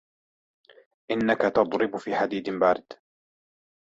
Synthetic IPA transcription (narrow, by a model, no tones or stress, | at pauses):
ʔɪnːakat̪ɑd̪ˤɾɪbfiːħad̪iːd̪baːɾɪd̪̥